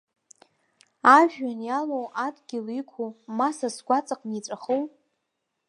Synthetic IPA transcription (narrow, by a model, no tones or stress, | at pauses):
aʒᶣanjalowʔadɡʲɪlikʷʰumasasɡʷat͡sʼaqʼnit͡sʷʼaχow